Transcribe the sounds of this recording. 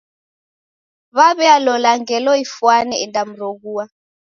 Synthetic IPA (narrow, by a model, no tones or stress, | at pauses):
βaβɛalɔlaŋɡɛlɔifwanɛɛndʼam̩rokuːwa